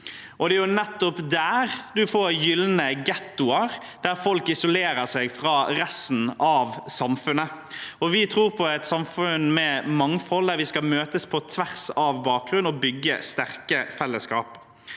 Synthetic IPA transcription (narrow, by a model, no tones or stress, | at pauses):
ʔɔd̪ɛæjʊnɛt̪ːʊpd̪æːʁd̪ʉfoːɾjʏlːnəɡɛt̪ːʊɑʁ | d̪̥æʁfɔlkɪsɔleːɾəʁsɛɡfɾɑːɾɛst̪n̩ɑʋsɑmfʉnə | ɔʋɪt̪ʰɾuːʁpʰɔɛt̪sɑmfʉnmɛmɑŋfɔld̪æɾʋɪskɑmøːt̪əspʰɔt̪ʰʋæʁsɑʋbɑːk̚ɡɾʉnɔbʏɡːə̰st̪æʁkəfɛlːəskɑ̰ːp